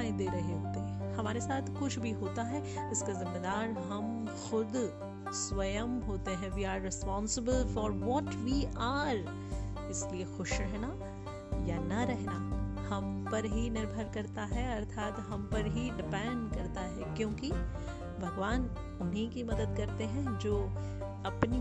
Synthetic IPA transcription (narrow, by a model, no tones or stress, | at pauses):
ẽd̪eːɾɐɦeɦoːt̪eɦɛ̃hɐmaːɾesaːt̪ʰkʊt͡ʃʰbʱiɦoːt̪aɦɛɪskazɪmːed̪aːɾɦɐm | xʊd̪ | sʋɐjəmɦoːt̪eɦɛ̃ʋiːaːɾːɪspɔ̃ːnsɪbəlfɔːɾʋɔːʈʋiːʔaːɾ | ɪsliexʊʃɾɛɦna | janɐɾɛɦnahɐmpɐɾɦinɪɾbʱəɾkɐɾt̪aɦɛɐɾt̪ʰaːt̪ɦɐmpɐɾɦiɖɪpɛ̃ːɳɖkɐɾt̪aɦɛkjõːki | bʱɐɡʋaːn | ʊnɦikimɐd̪əd̪̚kɐɾt̪eɦɛ̃d͡ʒoː | ɐpni